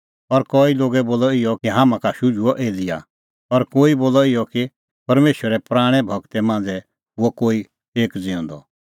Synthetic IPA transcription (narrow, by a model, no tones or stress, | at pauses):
ɔɾkɔːiloːɡɛboːlɔɪjɔkiɦaːmãkaʃʊd͡ʒuɔʔeːd̪ɪja̰ | ɔɾkoːiboːlɔɪjɔki | pɐɾmeːʃwəɾɛpɾaːɽ̃ɛbʱɐɡt̪ɛmãːnd͡zɛ | ɦʊɔkoːi | eːkd͡zɪɔ̃ːnd̪ɔ